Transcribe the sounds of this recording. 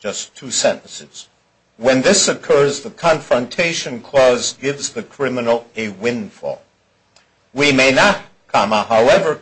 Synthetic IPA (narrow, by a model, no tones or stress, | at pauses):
d͡ʒʌstʰʉsɛ̃nʔn̩sɨz̥ | wɨ̃nðɪsɨkʰɜ˞zðəkʰɑ̃ɱfɹə̃ntʰeɪʃɨ̃nkʰl̥ɔzɡɪvzðɨkʰɹ̥ɪ̃mɨnl̩ˠɨwɪ̃nfɔ̰lˠ | wimeɪnət̚ | kʰɑ̃məhaʊɛvə˞